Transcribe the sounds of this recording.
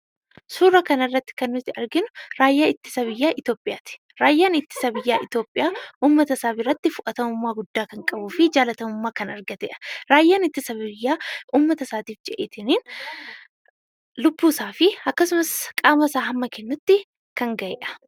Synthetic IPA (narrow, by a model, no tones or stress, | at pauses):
suːrɐkɐnɐrːɐt̪ːɪ̥kɐnːʊt̪ːɪɐɾɡɪnʊɾaːjːaːɪt̪ːɪ̥sɐβɪjːaːʔɪt̪jo̞ːpʼːɪjaːt̪ɪ̥ | ɾaːjːaːnɪt̪ːɪ̥sɐbɪjːaːʔɪt̪jo̞ːpʼːɪjaːʔuːmːɐt̪ɐsaːbɪrːɐt̪ːɪfʊʔɐt̪ɐmʊmːaːɡʊd̪ːaːkɐŋkʼɐbuːfɪd͡ʒaːlɐt̪ɐmʊmːaːkɐnɐɾɡɐt̪ɛ̰ʔɐ̥ɾaːjːaːnɪt̪ːɪsɐbɪjːaːuːmːɐt̪ɐsaːt̪iːfd͡ʒɛʔeːt̪ɪniːn | lʊbːuːsaːfɪɐkːɐsʊmɐskʼaːmɐsaːhɐmːɐkɛnːʊt̪ːɪ | kɐŋɡɐjɛ̰ːʔɐ̥